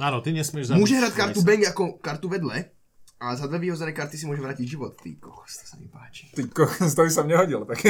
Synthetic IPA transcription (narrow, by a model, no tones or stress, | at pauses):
aːnɔt̪iɲɛsmɪɛʒzmʊɔʒɛɦɾackaɾt̪ubɛŋɡakɔkaɾt̪uʋɛd̪lɛ | azad̪ʋɛʋiːɦɔd͡zɛnɛːkaɾt̪is̬imʊɔʒɛʋɾaːciɟʒiʋɔt̪ːḭːkɔxst̪ɔ̥samḭpaːt͡ʃi̥t̪ikːɔxst̪ɔis̬amɲɛɦɔɟilt̪ak